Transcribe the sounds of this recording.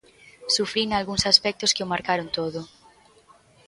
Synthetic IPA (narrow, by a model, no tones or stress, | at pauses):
sufɾinalɣuŋsaspɛk̚t̪oskeomaɾkaɾont̪oðo